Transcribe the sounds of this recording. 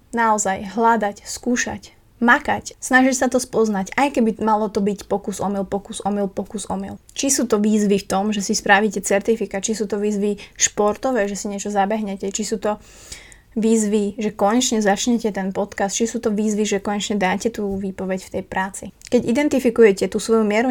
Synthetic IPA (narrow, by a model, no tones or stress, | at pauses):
naɔzajɦlad̪acskuːʃa̰c | makacsnaʒicsat̪ɔspɔznacajkɛbimalɔt̪ɔbicpɔkuzɔmilpɔkuzɔmilpɔkuzɔmḭlˠt͡ʃisuːt̪ɔʋiːzʋift̪ɔmʒɛsispɾaʋiːcɛt͡sɛɾt̪ifikat͡ʃisuːt̪ɔʋiːzʋiʃpɔɾt̪ɔʋɛːʒɛsiɲɪɛt͡ʃɔzabɛɦɲɛcɛt͡ʃisuːt̪ɔ | ʋiːzʋiʒɛkɔɲɛt͡ʃɲɛzat͡ʃɲɛcɛt̪ɛnpɔt̪kast̪̚t͡ʃisuːt̪ɔʋiːzʋiʒɛkɔɲɛt͡ʃɲɛd̪aːcɛt̪uːʋiːpɔʋɛcft̪ɛjpɾʔaːt͡sikɛɟid̪ɛnt̪ifikujɛcɛt̪uːsʋɔjumɪɛɾu